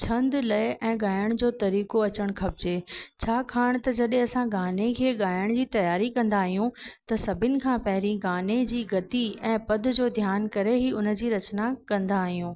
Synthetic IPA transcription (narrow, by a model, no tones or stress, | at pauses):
t͡ɕʰɐ̃nd̪lɐɪʔɛ̃ːɠaːjəɽ̃d͡ʑoːt̪ɐɾiːkoɐt͡ɕəɽ̃kʰɐbɪd͡ʑeːt͡ɕʰaːkʰaːɽ̃t̪ɐd͡ʑɐɗẽɐsãɡaːnekʰeːɠaːjəɽ̃d͡ʑiːt̪ɐjaːɾikɐ̃nd̪aːɦijũt̪ɐsɐbʱɪnɪ̆kʰãːpɐɦɪɾĩɡaːned͡ʑiːɡɐt̪iɛ̃ːpɐd̪̆d͡ʑoːd̪ʱjaːnkɐɾeɦiʊnə̆d͡ʑiːɾɐt͡ɕnakɐ̃nd̪aːɦijũː